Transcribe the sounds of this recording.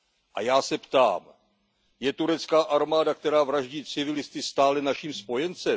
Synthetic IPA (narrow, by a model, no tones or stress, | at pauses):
ʔajaːsɛpt̪a̰ːm | jɛt̪uɾɛt͡skaːʔaɾmaːdakt̪ɛɾaːvɾaʒɟiːt͡sɪvɪlɪst̪ɪst̪aːlɛnaʃiːmspo̞jɛnt͡sɛ